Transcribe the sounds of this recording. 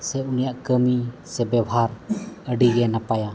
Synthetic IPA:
sɛunijaʔkəmisɛbɛwɦaɾəɖiɡɛnapaja

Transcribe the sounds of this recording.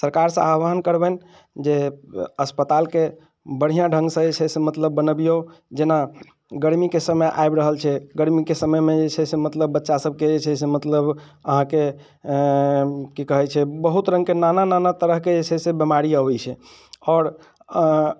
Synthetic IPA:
səɾkaɾsə̃abəɦənkəɾbɛn | d͡ʒeəspət̪alke | bəɽ̤ijãɖʱə̃ŋɡsə̃et͡ʃʰɛsemət̪ləbːənəbijod͡ʒena | ɡəɾmikesəməjʔa̰jbɾəɦəlt͡ʃʰɛɡəɾmikesəməjmẽd͡ʒet͡ʃʰɛsemət̪ləbːətːʃasəb̚ʱked͡ʒet͡ʃʰɛsemət̪ləbəɦãke | kikəɦɛt͡ʃʰɛbəɦut̪ɾə̃ŋɡkenanananat̪əɾəɦked͡ʒet͡ʃʰɛsebemaɾijəbɛt͡ʃʰɛ | ɔːɾ

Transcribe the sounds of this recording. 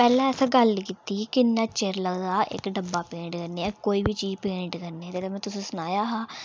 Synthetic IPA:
pɛːlɛ̃ːɛsãːɡəlkiːt̪iːkɪnːɛ̃ːt͡ʃeːɾləɡd̪aːʔɪ̰kɖəbːaːpẽːɳʈkəɾneːɛ̃koːiːbiːt͡ʃiːd͡ʒpẽːɳʈkəɾnet̪et̪emɛ̃ːt̪ʊsĩːsʊnaːjaːɦãː

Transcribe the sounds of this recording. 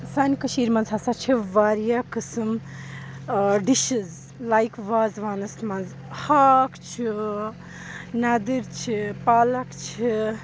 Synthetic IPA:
sankɐʃiːɾmɐnzɦasat͡ʃʰiʋaːɾjakɨsɨm | ɖiʃiz | lajkʋaːzʋaːnɐsmɐnz | hakt͡ʃʰi | nad̪iɾt͡ʃʰipaːlɐkt͡ʃʰi

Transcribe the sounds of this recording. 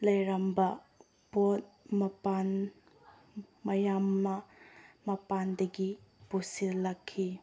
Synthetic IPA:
lɐjɾambɐ | b̥ot̚ | mɐpan | mɐjamːɐmɐpandɐɡipusilɐkʰːi

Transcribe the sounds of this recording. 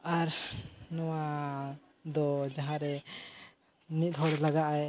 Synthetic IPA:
aɾnɔwa | d̪ɔd͡ʒaɦãɾɛ | nit̪̚ˀd̪ʰʱɔɾɛlaɡaʔaj

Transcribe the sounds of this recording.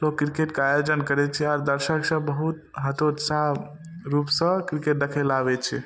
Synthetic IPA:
lokːɾikeʈkajod͡ʒənkəɾɛt͡ʃʰɛaɾd̪əɾsəksə̃bəɦut̪ɦət̪ot̪sa | ɾupsə̃kɾikeʈ̚d̪əkʰɛlabɛt͡ʃʰɛ

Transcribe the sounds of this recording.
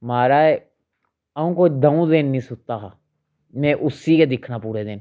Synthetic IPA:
maːɾaːɛː | əũːkoːt͡ʃʰd̪əũd̪enːĩːsʊt̪aːɦaː | mɛ̃ːʔʊsiːked̪ɪkʰnaːpuːɾeːd̪ɪn

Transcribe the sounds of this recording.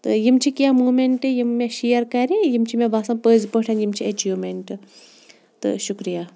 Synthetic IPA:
t̪ɨjimt͡ʃʰikijamuːmeɳʈɨjimːeʃijɐɾkɐɾijimt͡ʃʰimẽbaːsɐmpəːzpəʈʰɐnjimt͡ʃʰiet͡ʃiʋmeɳʈɨ | t̪ɨ̰ʃukɾijaː

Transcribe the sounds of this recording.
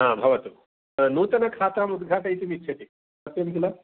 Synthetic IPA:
ɦãbʱɐʋɐt̪u | nuːt̪ɐnɐkʰaːt̪aːmud̪ɡʱaːʈɐit̪imit͡ʃʰɐt̪i | ɐt̪jɐmk̪ila

